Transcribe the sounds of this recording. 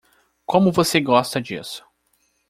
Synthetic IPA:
kõmʊvoseɡɔst̪ɐd͡ʒḭsʊ̥

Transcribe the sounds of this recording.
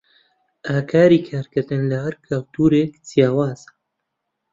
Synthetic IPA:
ʔaːkʰaːɾiːkʰaːɾkɨɾd̪ɨnlɐhɐɾkʰawt̪ʰuːɾeːkzijaːwaːz̥

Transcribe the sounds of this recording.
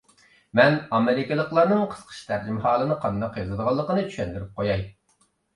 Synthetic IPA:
mɛnɑmɪɾɪkʲɪlˠəqlˠɑɾnɨŋqʰə̥sqʰə̥ʃt̪ʰæɾd͡ʒɪmhɑːlˠɨnɨqʰɑnd̪ɑqjɑzɨd̪əʁɑlˠːəqənɨt͡ʃʰy̥ʃɛnd̪yɾyp̚qʰojɑj

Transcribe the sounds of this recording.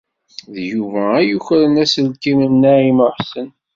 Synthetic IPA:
ðjuvææjuçɾənæsəlkimənːæiməħsən

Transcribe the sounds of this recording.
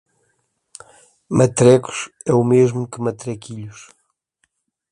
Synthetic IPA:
mɐt̪ɾɛku̥ʃ | ɛumeʒmukɨmɐt̪ɾɛkiʎuʃ

